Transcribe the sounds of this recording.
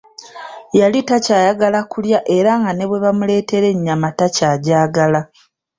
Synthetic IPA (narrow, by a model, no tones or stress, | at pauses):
jalitacaːjaɡalakuljaʔe̞ɾaŋɡane̞βwe̞βamule̞ːte̞ɾe̞ɲːamatacaːɟaːɡala